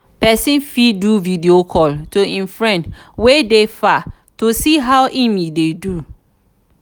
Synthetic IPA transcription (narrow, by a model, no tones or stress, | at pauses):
pɛsĩnfiduvidiokʰɔltoĩnfɹɛ̃ndwedefa | tosiɦawʔĩmidedu